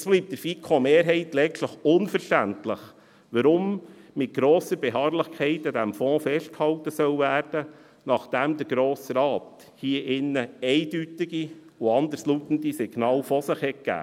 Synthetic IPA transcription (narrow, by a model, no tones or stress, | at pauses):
sb̥liːp̚təɾfikʰomeːɾɦɛɪtlɛɡtləχʊnfəɾʃtæntləχ | ʋɑɾʊmmɪt̚ɡ̥ɾoːsəɾbeɦɑːɾlɪχkʰɛɪtədæmfɔ̃ːfɛʃt̚khɑltəsœwvæːɾd̥ə | nɑχd̥ɛmdəɾɡ̥ɾoːsɾɑːt | hiːəʔɪnːəɛɪd̥ytɪɡi | ʊɑnd̪əɾsluːtəndisɪɡ̥nɑːlfɔsɪχhɛk̚ɡ̥æ̰ː